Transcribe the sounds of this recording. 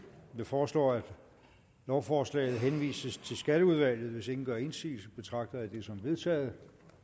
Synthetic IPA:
jifɒːslɒ̰ːæd̥ | lɒʊfɒːslɛ̰ːɪð̞̩ˠɦenʋḭːsəst͡sʰe̝lsɡ̥æɾ̥əuð̞ˠʋæl̰jð̩ˠʋe̝se̝ŋn̩ɡ̥ɶɐe̝nsḭːlsəb̥e̝t͡sʰʁɑ̈ɡ̥̚d̥ɐðæd̥e̝sɒ̽mʋe̝ð̞ˠt͡sʰɛ̰ːð̩ˠ

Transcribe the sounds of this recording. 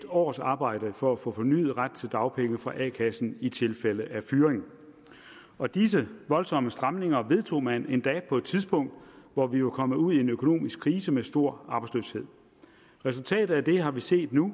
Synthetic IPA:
d̥ɒ̰ːsɑ̈ːb̥ɑ̈ɪ̰d̥əfɒ̽æfɔ̰̽ːfɒ̽ny̰ːð̞̩ˠʁad̥̚t͡sʰe̝ld̥ɑ̈ʊpʰeŋəfʁɑ̈ʔɛ̰kʰæsn̩it͡sʰe̝lfeləæfyːɐʁeŋ̩ | ɒ̽d̥is̬əʋɒ̽lsɒ̽məsd̥ʁamne̝ŋɐʋe̝ð̞ˠt͡sʰo̝̰ːmæne̝nd̥ɛ̰ːpʰɒ̽e̝d̥̚t͡sʰiðˠsb̥ɔ̽ŋ̰d̥ʋɒʋiʋekʰɒ̽məuð̰ˠie̝nøkʰo̝no̝̰ːmisɡ̥kʰʁiːsəmesd̥o̝ɐ̰ɑ̈ːb̥slø̰ːshe̝ð̰ˠ | ʁɛs̬ult͡sʰɛ̰ːd̥ð̩ˠæd̥e̝ɦɑ̈ʋise̝̰ːd̥nu

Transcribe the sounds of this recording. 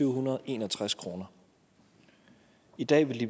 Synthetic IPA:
yʊɦunɐðˠʔe̝ːnɒt͡sʰʁaskʰʁo̝ːnɐ | id̥ɛ̰ːʋe̝lib

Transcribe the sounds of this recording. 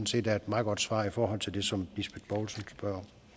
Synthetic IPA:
n̩se̝̰ːd̥d̥æɐed̥mɑ̈ːð̩ˠɡɒ̽d̥sʋɑ̰̈ːifɒːɦɒ̽l̰t͡sʰe̝ld̥e̝sɒ̽mb̥isb̥ed̥̚b̥ɒːlsnsb̥ɶɐ̰

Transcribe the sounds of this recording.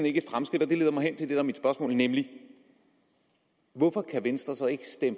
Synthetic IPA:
n̩eɡ̥əe̝d̥fʁamsɡ̥id̥ɒd̥e̝le̝ːðˠɐmɑ̈ɪen̰t͡sʰeld̥e̝dæɐmid̥sb̥ɶɐsmɔ̰̽ːlnemli | ʋɔfɒ̽kʰæʋensd̥ʁɐsɒ̽e̝ɡ̥əsd̥em

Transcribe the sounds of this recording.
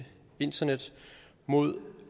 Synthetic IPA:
e̝n̰d̥ɐned̥ | mo̝ð̰ˠ

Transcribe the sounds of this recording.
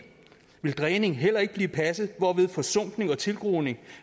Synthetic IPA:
ʋe̝ld̥ʁɛːne̝ŋɦel̰ɐe̝ɡ̥̚b̥liːpʰæsð̩ˠʋɒːʋe̝ð̞ˠfɒ̽sɔ̽m̰d̥ne̝ŋɒ̽t͡sʰe̝lɡ̥ʁoːne̝ŋ

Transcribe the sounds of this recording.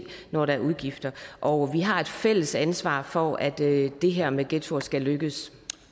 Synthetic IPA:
nɒɾ̥ɑ̈æɐuðˠɡ̥ifd̥ɐʔɒ̽ʋiɦɑ̈e̝d̥fel̰əsænsʋɑ̰̈ːfɒæd̥d̥e̝ɦeɐ̰meɡ̥et͡sʰoɐsɡ̥æløɡ̥əs

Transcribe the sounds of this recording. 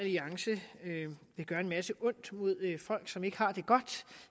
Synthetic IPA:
æliɑ̈ŋsəøʋe̝ɡ̥ɶɐe̝nmæsəʔɔ̽n̰d̥mo̝ð̞̰ˠfɒ̽l̰ɡ̥sɒ̽me̝ɡ̥əhɑ̈d̥e̝ɡ̥ɒ̽d̥

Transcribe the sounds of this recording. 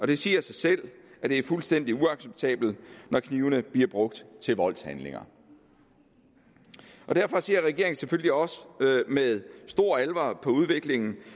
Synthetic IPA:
ɒ̽d̥e̝siːɐsɑ̈ɪsel̰ʔæd̥e̝æɐfulsd̥en̰d̥iuɑ̈ɡ̥seb̥̚t͡sʰɛ̰ːb̥l̩nɒkʰniʊnəb̥liɐb̥ʁɔ̽ɡ̥̚d̥t͡sʰe̝lʋɒ̽l̰shænle̝ŋɐ̰ | ʔɒ̽d̥æɐfɒ̽seɐʁɛɡ̥e̝ɐ̰e̝ŋn̩seføl̰liɒ̽səmeðˠsd̥o̝ɐ̰ælʋɑpʰɒ̽uð̞ˠʋe̝ɡ̥le̝ŋn̩

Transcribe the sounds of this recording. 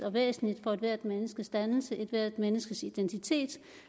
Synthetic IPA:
ɒ̽ʋḛːsn̩lid̥fɒ̽ed̥ʋæɐd̥menəsɡ̥əsd̥ænl̩səʔe̝d̥ʋæɐ̰d̥menəsɡ̥əsid̥ent͡sʰit͡sʰe̝̰ːd̥

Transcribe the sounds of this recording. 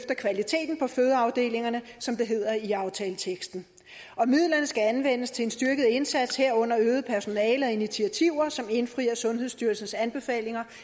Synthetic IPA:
fd̥ɐkʰʋælit͡sʰe̝̰ːd̥n̩pʰɒ̽føːð̞ˠɐɑ̈ʊd̥e̝̰ːle̝ŋɐnəsɒ̽md̥e̝ɦe̝ð̞̰ˠɐiɑ̈ʊt͡sʰɛːlət͡sʰeɡ̥sd̥n̩ | ɒ̽mið̰ˠlɐnəsɡ̥æænʋen̰əst͡sʰe̝e̝nsd̥yɐɡ̥əð̞̩ˠe̝nsæd̥sheɐ̰ɔ̽n̰ɐøːð̞̩ˠpʰæɐso̝nɛːləɒ̽init͡sʰiæt͡sʰiʊ̰ɐsɒ̽me̝nfʁiːɐsɔ̽nɦeðˠsd̥yɐlsn̩sænb̥e̝fɛ̰ːle̝ŋɐ

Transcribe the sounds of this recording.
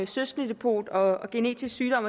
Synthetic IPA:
søsd̥nid̥epʰo̝̰ːd̥ɒ̽ɒɡ̥e̝ne̝̰ːd̥ʰissyːɾ̥ɒ̽m̰ɐ

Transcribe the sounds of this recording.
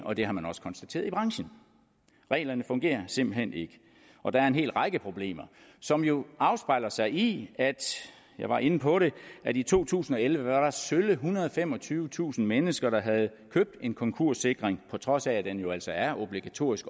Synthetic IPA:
ʔɒ̽d̥e̝ɦɑ̈mænɒ̽sə̥kʰɒ̽nsd̥æt͡sʰe̝̰ːɐðˠib̥ʁɑ̈ŋɕən̩ | ʁɛ̰ːlɐnəfɔ̽ŋɡ̥e̝̰ːɐse̝mb̥l̩hene̝ɡ̥ə | ʔɒ̽d̥ɑ̈æɐe̝nɦe̝̰ːlʁɑ̈ɪɡ̥əpʰʁo̝b̥le̝̰ːmɐ | sɒ̽mjo̝ɑ̈ʊsb̥ɑ̈ɪlɐsɑ̈ɪiæd̥ | jɑ̈ɪʋɑ̈ʔe̝nəpʰɒ̽ɾe̝ʔædit͡sʰo̝̰ːt͡sʰṵːsn̩ɒ̽elʋəʋɑ̈ɾ̥ɑ̈søləɦunɐð̞ˠɒfem̰ɒ̽t͡sʰyːʊʋət͡sʰṵːsn̩menəsɡ̥ɐɾ̥ɑ̈ɦæð̞̩ˠkʰøb̥̚d̥e̝nkʰɒ̽ŋkʰo̝ɐ̰se̝ɡ̥ʁeŋpʰɒ̽t͡sʰʁɒ̽sæd̥enjo̝æl̰sɒ̽æɐʔo̝b̥liɡ̥æt͡sʰo̝̰ːisɡ̥

